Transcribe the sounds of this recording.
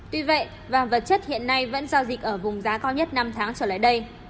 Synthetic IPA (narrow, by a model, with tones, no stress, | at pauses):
t̪wi˧və̰˧˨j | vaː˨˩və˨˩t̚t͡ɕə˦˥t̚hḭ˧˨ənːa˧jvə̰˧˥nza˧zï˨˩k̚ʔəː˧˩vʊ˨˩ŋ͡mzaː˨˦kaː˧wɲə˦˥t̚na˧mt̪ʰaː˨˦ŋt͡ɕəː˧˩la̰ː˧˨jɗə˧j